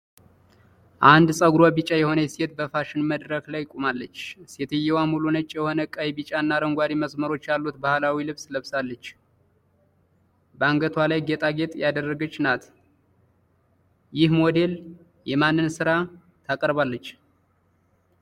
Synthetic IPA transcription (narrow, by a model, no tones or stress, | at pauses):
ʔand̪sʼəɡuɾwabit͡ʃʼajɛho̞nəjɛse̞t̪̚bəfaʃɪnməd̪ɾəklajkʼumalːət͡ʃːset̪ʰɨjːɛwamulunət͡ʃʼːjɛho̞nəkʼajbit͡ʃʼanːaɾəŋɡʷaɾiməsməɾo̞t͡ʃːjalːut̪bahlawilɨβsləβsalːət͡ʃː | bəaŋɡət̪ʰwalajɡet̪ʼʰaɡe̞t̪ʼjad̪ərːəɡət͡ʃːnat̪ | jɪhmo̞d̪e̞l | jɛmanːɨnsɨɾa | t̪ʰakʼəɾβalːət͡ʃː